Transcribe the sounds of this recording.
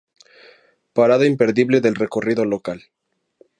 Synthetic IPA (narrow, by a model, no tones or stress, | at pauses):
paɾaðoimpe̞ɾðiβleðe̞lreko̞riðo̞lokal